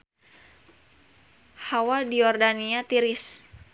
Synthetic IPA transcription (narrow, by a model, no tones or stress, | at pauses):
hawadiɔrdaniat̪iɾɪs